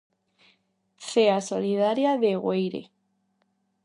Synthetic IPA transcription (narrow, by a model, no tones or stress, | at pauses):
θeasoliðaɾjaðeɣwejɾḛ